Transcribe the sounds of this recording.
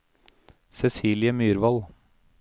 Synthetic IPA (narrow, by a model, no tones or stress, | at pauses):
sɛsiːlɪəmyːɾʋɑl